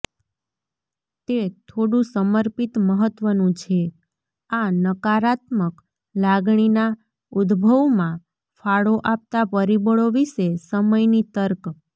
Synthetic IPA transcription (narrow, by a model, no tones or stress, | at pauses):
t̪et̪ʰoɽũsəməɾpit̪məɦət̪ʋənũt͡ʃʰe | anəkaɾat̪mək | laɡɳ̃ina | ud̪bʱəʋmã | fʰaɭoʔap̚t̪apəɾibəɭoʋiʃesəməjnit̪əɾk